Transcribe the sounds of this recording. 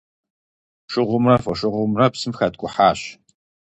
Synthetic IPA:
ʂɪʁʷʊmrɐfɔʂɪʁʷʊmrɐpsɨmxɐtkʷʼʊħaːɕ

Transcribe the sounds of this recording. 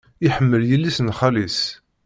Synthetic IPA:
iħəmːəljəlːisnχælis

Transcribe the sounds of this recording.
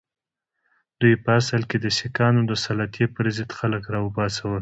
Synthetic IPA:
d̪̥ujpəasəlked̪əsikɑnod̪əsalɑt̪jepəɾzəd̪xaləkɾɑʊbɑsawəl

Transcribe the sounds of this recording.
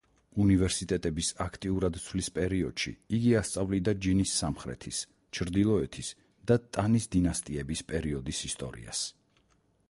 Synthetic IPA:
univɛɾsit̪ʼɛt̪ʼɛbisakʰt̪ʼiuɾad̪t̪sʰlispʼɛɾiɔd̪̥ʃḭiɡiast̪sʼavlid̪ad͡ʒinisːamχɾɛ̰t̪ʰis | t͡ʃʰɾd̪ilˠɔɛt̪ʰis | d̪̥at̪ʼanisd̪inast̪ʼiɛbispʼɛɾiɔd̪isist̪ʼɔ̰ɾḭa̰s

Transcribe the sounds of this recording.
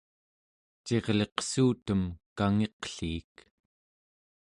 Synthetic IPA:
t͡ʃe̞ʁle̞qsuːt̪əmkaŋe̞qɬiːk

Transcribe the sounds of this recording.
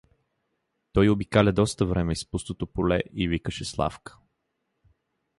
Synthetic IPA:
t̪ɔjobikalʲəd̪ɔst̪əvɾɛmɛispust̪ot̪opolɛ̰ʔivikəʃɛslˠa̰fkə̥

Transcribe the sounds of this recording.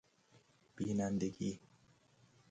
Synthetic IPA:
b̥iːnand̪eɡiː

